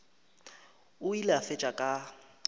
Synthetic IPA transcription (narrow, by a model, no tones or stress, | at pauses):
ʊilafɛt͡ʃʼakʼa